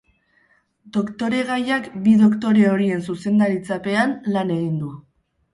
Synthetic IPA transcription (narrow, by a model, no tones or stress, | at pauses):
d̪o̞kt̪o̞ɾe̞ɣajakbiðo̞kt̪o̞ɾe̞o̞ɾie̞nsuse̞nd̪aɾit͡sape̞anlane̞ɣind̪u